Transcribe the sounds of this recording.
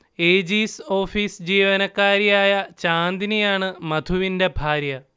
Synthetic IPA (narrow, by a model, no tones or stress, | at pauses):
eːd͡ʑiːso̞ːfiːsd͡ʑiːʋɐnɐkːaːɾijaːjɐt͡ɕaːnd̪inijaːɳɨmɐd̪ʱuʋinde̞bʱaːɾjɐ